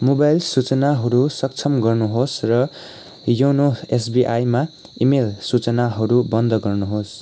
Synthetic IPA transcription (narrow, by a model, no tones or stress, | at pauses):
mobajlsut͡sʌnaɦʌɾusʌk̚t͡sʰʌmɡʌrnuɦosrʌ | jownoes̬biʔajma | imelsut͡sʌnaɦʌɾubʌnd̪ʱʌɡʌrnuɦos